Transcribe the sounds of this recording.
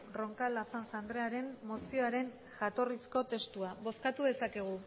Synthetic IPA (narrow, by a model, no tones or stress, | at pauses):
ro̞ŋkalafansand̪ɾe̞aɾe̞mmo̞sio̞aɾe̞n | ʝat̪o̞risko̞t̪e̞st̪uaβo̞skat̪uðe̞sake̞ɣ̞u